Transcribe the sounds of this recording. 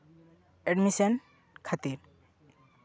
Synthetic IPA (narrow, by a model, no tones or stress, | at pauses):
ɛɖmisɔn | kʰat̪iɾ